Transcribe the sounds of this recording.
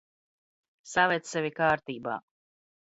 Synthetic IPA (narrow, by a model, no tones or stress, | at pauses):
savɛt̪ssɛvʲikaːɾt̪iːba̰ː